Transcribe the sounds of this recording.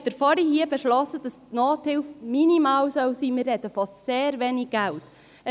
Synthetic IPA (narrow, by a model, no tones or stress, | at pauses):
d̥əɾfɔɾihiəbɛʃlɔsəd̥ɑsnɔːthɪlfminimɑːwsœwsiːmɪːɾhɛtəfɑstseːɾveːniɡ̚ɡ̥æwt | ə